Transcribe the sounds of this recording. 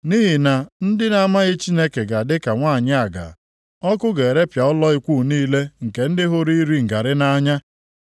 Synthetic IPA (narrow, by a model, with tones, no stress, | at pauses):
ni˦ɦi˨na˨n̩˦dɪ˦na˦ma˦ɣɪ˦t͡ʃi˦ne˦ke˨ɡa˨dɪ˦ka˨ŋʷaː˦˨ɲɪ˦a˨ɡa̰˨ | ɔ˦kʊ˦ɡe˨ɾe˦pja˨ʊ˦lɔ˦ɪ˦kʷuː˦˨niː˦le˦ŋ̩˨ke˨n̩˦dɪ˦ɦʊ˦ɾi˦ɾi˦ŋ̩˨ɡa˨ɾɪ˦na˦ɲa˦